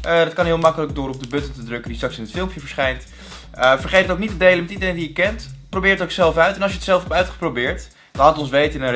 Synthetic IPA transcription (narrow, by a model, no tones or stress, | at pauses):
ʔədɑtkɑnɦɪːlˠmɑkələɡ̚dʊːɾɔb̚dəbɵtəntədrɵkəndistrɑksɪnətfɪlˠmpjəvəɹsχɛjnt | əfəɹχejtətowknitədejləmɛtidəɾejndijəkɛntprowbɪːɹətowksɛlˠfœɥtɛnɑlˠsjəətsɛlˠfɔpœɥtχə̥prowbɪːɹt | laːtətɔnsʋejtənə